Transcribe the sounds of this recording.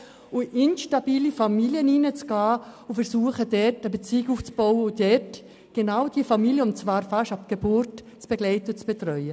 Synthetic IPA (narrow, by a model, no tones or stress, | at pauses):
ʊɪnʃtabiːlifamiljəniːnət͡sɡ̥aːʊfɛɾsuːəχədɛtəbet͡siːɡuːft͡sb̥ɔʊəʊdɛt | ɡ̥enaʊd̥iəfamiljəʊntt͡svaːɾfaʃapɡ̥ebʊɾt | t͡sb̥eɡlɛɪtəʊt͡sb̥etrœʏə